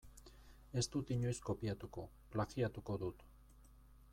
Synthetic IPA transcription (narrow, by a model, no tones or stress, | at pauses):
e̞st̪ut̪iɲo̞jsko̞piat̪uko̞ | plaɣiat̪uko̞ðut̪